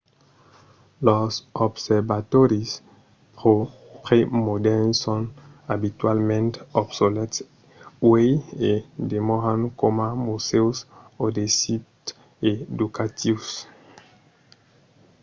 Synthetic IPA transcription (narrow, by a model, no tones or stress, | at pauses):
lɔsobsɛɾbat̪oɾis | pʁo | pʁemod̪ɛnsɔ̃n | abit̪walmẽnt̪obsolɛt̪s | wejed̪emɔʁãnkomamusewsod̪esit | ed̪ukat̪ʰivs